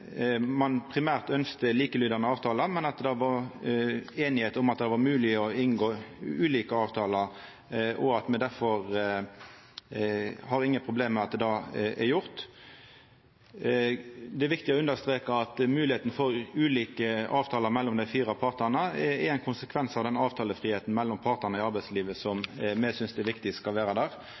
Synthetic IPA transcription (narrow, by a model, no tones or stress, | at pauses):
mɑnpʰʁɪmæːʁt̪œnskt̪əliːkəlyːd̪ɑnəɑːʋt̪ʰɑːləmɛnɑt̪̚d̪ɛʋɑɾ | eːnɪheːt̪ʊmɑt̪̚d̪ɛʋɑmʉːlɪɔɪnɡoːʉːliːkəɑːʋt̪ʰɑːləɾ | ʔɔɑt̪mɛd̪æʁfɔʁ | hɑɾɪŋːəpʰʁʊbleːmːɛɑt̪̚d̪ɛːd̪ɑæɾjʊʁt̪ | d̪ɛæɾʋɪk̚t̪ɪɔʉnd̪əɾst̪ʁeːkəɑt̪mʉːlɪeːt̪ən̩fɔɾʉːliːkəʔɑːʋt̪ʰɑːləʁmɛlːɔmd̪æɪfiːɾɑpʰɑʁt̪nəʁnəɛɛɪnkʰʊnsəkʰʋɛnsɑʋd̪ɛnɑːʋt̪ʰɑːləfʁiːheːt̪n̩mɛlːɔmpʰɑʁt̪əʁnəɪɑɾbæɪsliːʋəsɔmmːɛsʏnsd̪ɛʋɪkt̪ɪskɑlʋæːʁɑd̪æːʁ